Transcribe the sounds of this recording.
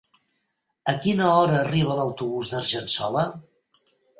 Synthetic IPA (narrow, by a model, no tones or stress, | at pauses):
əkinəɔɾəːriβ̞ələwt̪uβuzðəɾʒənsɔlə